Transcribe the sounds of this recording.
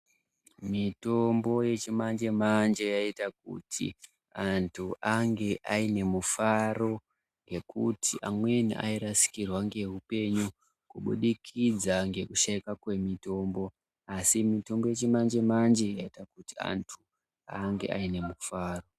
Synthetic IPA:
mito̞mbo̞je̞t͡ʃimand͡ʒe̞mand͡ʒe̞jaitak̚ṵtʰḭ | antʰuʔaŋɡe̞ʔaine̞mufaro̞ | ŋɡe̞kʰutʰiʔamwe̞niʔa̰iɾasi̥kirwaŋɡe̞ɦupe̞ɲu | kuɓṵɗikʰid͡zaŋɡe̞kuʃaikakwe̞mito̞mbo̞ | asimito̞mbo̞je̞t͡ʃimand͡ʒe̞mand͡ʒe̞jaitakutia̰ntʰu | aŋɡe̞̰ʔaine̞mufaːro̞

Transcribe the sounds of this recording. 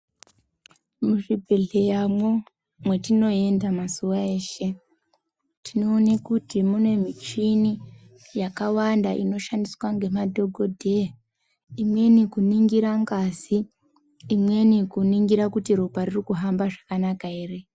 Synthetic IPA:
muʐibʱeɮe̞jamwo | mwe̞tino̞e̞ndamasuwaeːʃe̞ | tino̞ːnekutimune̞mit͡ʃini | jakawandaʔḭno̞ʃandiswaŋɡe̞madʱo̞ɡʱo̞dʱe | imwe̞nikuniŋɡiɾaŋɡaziː | mwe̞nikuniŋɡiɾakutiɾoparirikuɦambaʐakanakaeːre̞

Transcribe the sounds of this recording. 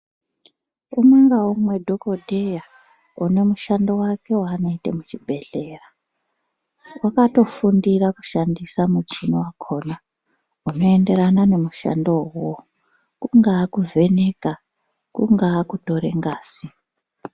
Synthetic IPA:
umaŋɡaumwe̞dʱo̞ko̞dʱeja | une̞muʃando̞wake̞waːno̞itemut͡ʃibʱe̞ɮe̞ra | wakato̞fundiraku̥ʃandisamut͡ʃinowakʰo̞na | uno̞e̞nde̞ɾanane̞muʃa̰ndo̞wowo | kuŋɡaːkuvʱe̞ne̞ka | kuŋɡaːkuto̞ɾe̞ŋɡaːsi

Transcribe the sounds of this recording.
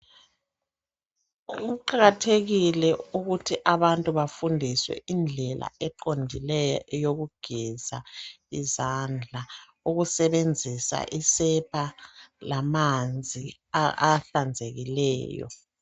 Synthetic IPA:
ɣuǃaɣatʰeɣilɛuɣutʰiʔaβantʼuβafundʱiswɛ̰ind͡ɮʱɛlʔa̰ɛǃondʱilɛjɔʔɛjoɣuɡ̥ʱiz̥a | izand͡ɮʱa | uɣusɛβend͡zʱisa̰ʔisɛpʰalamand͡zʱiaɬand͡zʱeɣilɛ̰ːjɔ̰

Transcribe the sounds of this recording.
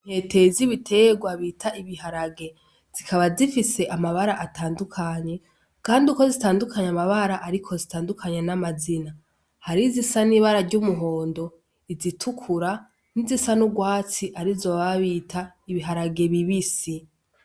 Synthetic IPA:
n̥he̞ːte̞ziβitʰe̞ɡwaβiːtʰaiβihaɾaɡe̞ | z̥ikʰaβazifise̞ʔamaβaɾaʔataːndukʰaɲe̞ | kaːndiuko̞zitaːndukʰaɲamaβaɾaʔaɾikʰo̞zitaːndukʰaɲenamazina | haɾizisaniβaɾaɟumuɦo̞ːndo̞ | izitʰukʰuɾa | nizisanuɡwaːt͡siʔaɾizoβaβiːtʰa | iβiɦaɾaɡe̞βiβisi

